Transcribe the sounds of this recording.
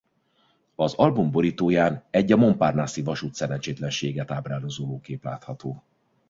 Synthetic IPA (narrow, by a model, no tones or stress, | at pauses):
ɒzɒlbumbo̞ɾiːt̪oːjaːnɛɟːɒmo̞mpaːrnaːsivɒʃut̪sɛɾɛnt͡ʃeːt̪lɛnʃeːɡɛt̪aːbraːlozoːloːkeːpla̰ːt̪hɒt̪oː